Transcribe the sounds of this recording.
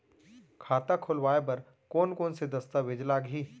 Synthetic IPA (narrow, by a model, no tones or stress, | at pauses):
kʰaːt̪akʰʊlʋaːep̬ɐɾ | koːnkoːnsed̪ɐst̪aʋɪd͡ʒlaːɡɦiː